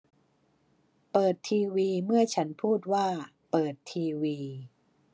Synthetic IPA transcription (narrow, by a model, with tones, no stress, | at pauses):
pɤː˨˩t̪ʰːiː˧wiː˧mɯ˥˩ɐt͡ɕʰa˦˥npʰuː˥˩t̪̚waː˥˩ | pɤː˨˩t̪ʰːiː˧wiː˧